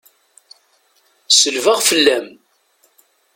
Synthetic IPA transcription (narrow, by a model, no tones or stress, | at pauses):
səlvəʁfəlːæm